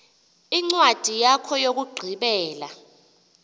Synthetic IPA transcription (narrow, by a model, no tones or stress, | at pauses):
iŋ͡ǀwad̥ʱijakʰɔjok̬uɡ͡ǀʱiɓɛːla̰